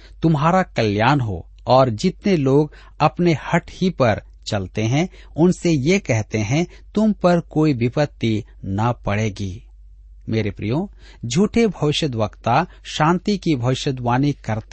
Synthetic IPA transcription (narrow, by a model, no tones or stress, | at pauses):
t̪ʊmɦaːɾakɐljaːnɦo̰ | ɔːɾd͡ʒɪt̪neloːɡ | ɐpnehɐʈhipɐɾ | t͡ʃɐlt̪eɦɛ̃ | ʊnsejekɛɦt̪eɦɛ̃ | t̪ʊmpɐɾkoːibɪpət̪ːi | nɐpɐɽeːɡiː | meːɾepɾḭjõ | d͡ʒʱuːʈʰebʱɐʋɪʃəd̪ʋəkt̪a | ʃãːnt̪ikibʱɐʋɪʃəd̪ʋaːnikɐɾt̪